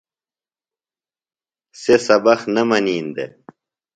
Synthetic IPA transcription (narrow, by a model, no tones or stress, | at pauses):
sesɐbɐxnɐmɐniːnd̪ḛ